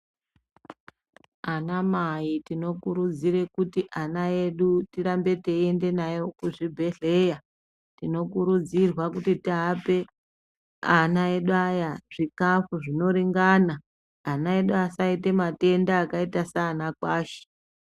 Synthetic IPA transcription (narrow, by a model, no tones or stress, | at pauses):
anamaitino̞kuɾud͡zire̞kutiʔanae̞ɗutiɾambe̞te̞ie̞nde̞najo̞kuʐibʱe̞ɮe̞ja | tino̞kuɾud͡zirwakutitiɦape̞ | anae̞ɗuajaʐ̥ikafuʐino̞ɾiŋɡaːnaː | nae̞ɗuasaite̞mate̞ndaːkaitasaːnakwaːʃe̥